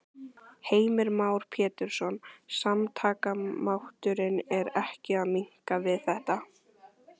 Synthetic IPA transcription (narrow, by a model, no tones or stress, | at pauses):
heːjmɪɾmaːwɾ̥pʰɛːt̪ɪɾ̥sɔnsamt̪ʰaːkamawht̪ʏɾɪnɛɾɛhcɪaðmiŋ̥kavɪðθɛht̪a